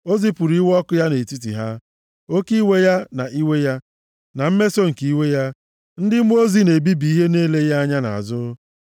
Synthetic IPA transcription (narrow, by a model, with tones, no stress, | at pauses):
o˦zi˦pʊ˨ɾi˦wɔ˦kʊ˦ja˦ne˨ti˦t̬ḭ˨ɦa˦ | o˦ki˦we˦ja˦na˨ʔi˦we˦ja˦ | na˨m̩˦me˦so˦ŋ̩˨ki˨i˦we˦ja˦ | n̩˦dɪ˦m˦o˦zi˦ne˨bi˦bi˨i˦ɦe˦ne˦le˦ja˦a˦ɲa˦na̰˨a̰˨zʊ˦